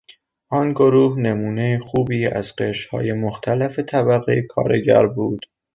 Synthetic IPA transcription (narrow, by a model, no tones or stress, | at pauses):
ʔɒːnɡoɾuːhne̞muːne̞jixuːbiːæ̰zqeʃhɒ̰ːjemoxt̪ʰælefet̪ʰæbæɣḛjkʰɒ̰ːɾeɟæ̰ɾbuːd̪̥